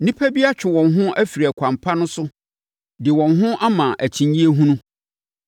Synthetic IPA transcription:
nĩ˦pʰæ˦bi˦a˦t͡ɕᶣɪ˨wɔ̃˨nɦʊ̃˦ʔæ˦fi˨ɾi˨æ˨kʰʷã˨mpʰa˦nʊ̃˦sʊ˦ | dɪ˨wɔ̃˨nɦʊ̃˦ʔa˦mã˨ʔæ˨t͡ɕʰĩ˨ɲji˦e˦ɦũ˦nũ˦

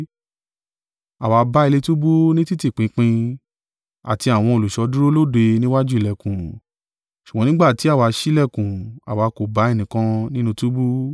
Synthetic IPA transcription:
a˨wa˨˧˦ba˦i˧le˧tu˦bu˦nĩ˦ti˦ti˦˨k͡pĩ˨˦k͡pĩ˧ | a̰˨ti˧a˨w̃ɔ̃˧o˨lu˨ʃɔ˧˦du˦ɾo˦lo˦˨de˧nĩ˦wa˦d͡ʒu˦i˦˨lɛ˨kũ˨ | ʃu˨ɡ͡bɔ̃˨˦nĩ˦ɡ͡ba˦˨ti˨˦a˦˨wa˧ʃi˦lɛ˦˨kũ˨a̰˨wa˨˧ko˨ba˨˦e˦˨nĩ˨kã˧nĩ˦nũ˧tu˦bu˦

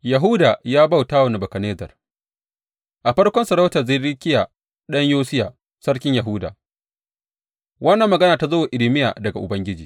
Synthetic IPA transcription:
jɐ˨ɦu˦daː˨jaː˦ba˦˨wtaː˦wɐ˨ni˨bɐ˨kɐ˨neː˦zɐ̰˨r | ʔa˨ɸɐ˦ɽkʷɔ˦nsɐ˨ɾa˦wta˨za˦˨ɽɪ˦kʲɪ˦ja˨ | ɗɐ˦ɲjoː˦sɪ˦ja˨ | sɐ˦ɽkʲɪ˦ɲjɐ˨ɦʊ˦da̰ː˨ | wɐ˦nːɐ˨mːɐ˨ɡɐ˦naː˨ta˨zɐ˦waː˨ʔɪ˨lɪ˨˦mɪ˦ja̰ː˨dɐ˨ɡa˨ʔʊ̰˨bɐ˦ŋɡʲɪ˦d͡ʒiː˨

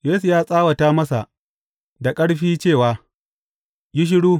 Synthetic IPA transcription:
jeː˦su˨jaː˦sʼaː˦wɐ˨taː˦mɐ˦sa̰˨ | da˨kʼɐ˦ɽɸiː˦t͡ʃeː˦˨waː˨ | jɪ˦ʃ̬ɪ˦ɽuː˦

